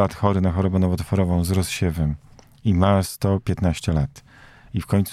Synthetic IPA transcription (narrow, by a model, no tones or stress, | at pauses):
at̪xɔɾɘnaxɔɾɔbɛnɔvɔt̪fɔɾɔvɔ̃w̃zɾɔsɕɛvɛm | imast̪ɔpʲjɛt̪naɕt͡ɕɛlat̪ | ifkɔɲt̪s